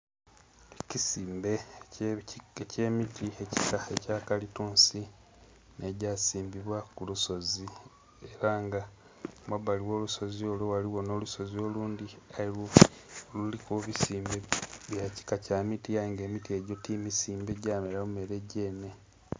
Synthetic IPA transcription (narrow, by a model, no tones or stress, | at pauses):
ecisiːmbe̞ | eceːmitie̞ci̥saecaːkalituːnsi | ne̞ɟasiːmbiβwakuluso̞zi | eɾaŋɡa | mwaβaliwo̞ːluso̞zio̞lowaliwo̞no̞ːluso̞zio̞luːndialilwoolulikuβisiːmbeβjaci̥kacaːmitiaiŋɡe̞ːmitie̞ɟo̞timisiːmbe̞ɟaːmeɾamume̞ɾe̞ɟeːne̞